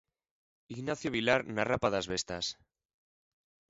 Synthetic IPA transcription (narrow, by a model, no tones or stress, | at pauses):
iɣnaθjoβilaɾnarapaðazβest̪as